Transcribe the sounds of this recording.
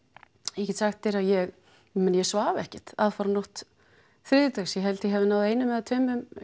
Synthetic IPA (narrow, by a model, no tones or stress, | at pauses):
ɛhcɪt̪saxt̪θɛɾaðjɛɣ | mɛnjɛsvaːvɛhcɪt̪aðfaɾanoht̪ | θɾɪːðʏt̪asjɛɦɛlt̪jɦɛvɪnawðejnʏmɛðat̪ʰœːɥmʏm